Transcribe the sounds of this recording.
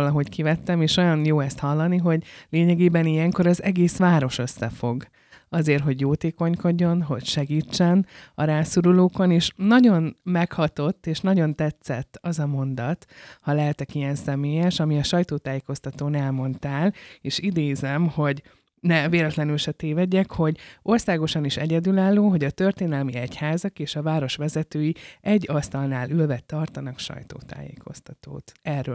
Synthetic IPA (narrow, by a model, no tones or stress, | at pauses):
lɒɦo̞ckivɛt̪ːɛmeːʃo̞jɒnjoːɛst̪hɒlːɒniɦo̞ɟleːɲɛɡeːbɛnijɛŋko̞ɾɒzɛɡeːsʋaːɾo̞ʃø̞sːɛfo̞̰ɡ | ɒzeːrɦo̞ɟjoːt̪eːko̞ɲko̞ɟːo̞nɦo̞̰ɟʃɛɡiːt͡ʃːɛnɒɾaːsuɾuloːko̞neːʃnɒɟo̞nmɛkhɒt̪o̞t̪ːeːʃnɒɟo̞nt̪ɛt̪sɛ̰t̪ːɒzɒmo̞nd̪ɒt̪hɒlɛɦɛt̪ɛkijɛnsɛmeːjɛʃɒmiɒʃɒjt̪oːt̪aːjeːko̞st̪ɒt̪oːnɛlmo̞nt̪aːleːʃid̪eːzɛmho̞ɟ | nɛveːlɛt̪lɛnylʃɛt̪eːvɛɟːɛkho̞ɟo̞rsaːɡo̞ʃɒniʃɛɟɛd̪ylaːlːoːɦo̞ɟɒt̪ø̞rt̪eːnɛlmiɛchaːzɒkeːʃɒvaːɾo̞ʃʋɛzɛt̪øːjiɛɟːɒst̪ɒlnaːlylvɛt̪ːɒrt̪ɒnɒkʃɒ̰jt̪o̰ːt̪a̰ːjḛːkʰo̞̰st̪ɒt̪o̰ːt̪ɛrø